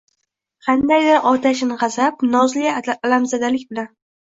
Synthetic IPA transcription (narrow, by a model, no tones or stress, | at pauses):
qʰɑnd̪ajd̪ɪɾʔɒt̪ʰaʃnɪʁɑzapnɒzlɪlamzad̪alɪkʲbɪlan